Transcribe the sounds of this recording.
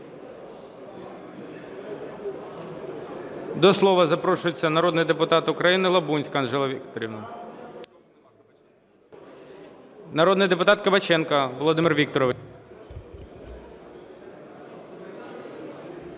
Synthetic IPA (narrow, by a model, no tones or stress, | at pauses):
d̪ɔslˠɔʋɐzɐpɾɔʃʊjet͡sʲːɐnɐɾɔd̪nɪjd̪epʊt̪ɑt̪ʊkɾɐjinɪlˠɐbunʲsʲkɑnʒɛlˠɐʋʲikt̪ɔɾʲiʋnʊ | nɐɾɔd̪nɪjd̪e̞pʊt̪ɑt̪kɐbɐt͡ʃɛnkɐʋɔlˠɔd̪ɪmɪrʋʲik̚t̪ɔɾɔʋ